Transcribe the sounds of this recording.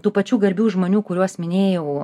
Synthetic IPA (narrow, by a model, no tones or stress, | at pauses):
t̪uːpɐt͡ʃʲuːɡɐɾʲbʲuːʒmoːnʲuːkʊɾʲuɔsmʲɪnʲeːjɛʊ